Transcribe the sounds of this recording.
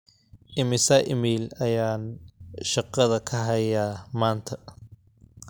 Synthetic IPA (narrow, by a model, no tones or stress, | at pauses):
ʔɪmɪsɐʔɪmiːlɐjaːnʃɑqɐðɐkʰɐɦɐjaːmaːnt̪ʰɐ